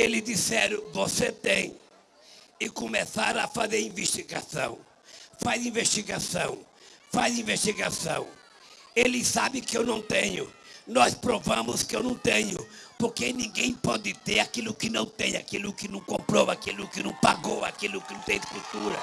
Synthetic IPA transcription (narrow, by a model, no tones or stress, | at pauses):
elɪd̪isɛɾʊvoset̪ẽj̃ | ɪkomesa̰ɾafazeɾĩveʃt̪iɡa̰sɐ̰̃w̃ | fajzĩveʃt̪iɡasɐ̰̃w̃fajzĩveʃt̪iɡasɐ̰̃w̃ | elɪsabɪkɪewnɐ̃w̃t̪ẽɲʊ̰nɔspɾovɐ̃mʊskɪewnɐ̃w̃t̪ẽɲʊpoɾkenĩɡẽj̃pɔd̪ɪt̪eɾakilʊkɪnɐ̃w̃t̪ẽj̃a̰kilʊkɪnɐ̃w̃kõmpɾɔvakilʊkɪnɐ̃w̃paɡowa̰kilʊkɪnɐ̃t̪ẽj̃d̪ɪkult̪uɾɐ̰